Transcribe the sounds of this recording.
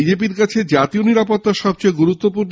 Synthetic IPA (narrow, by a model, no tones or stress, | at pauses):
id͡ʑepiɾkat͡ɕʰed͡ʑat̪ioniɾapot̪ːaʃɔb̚t͡ɕoeɡuɾut̪ːopuɾn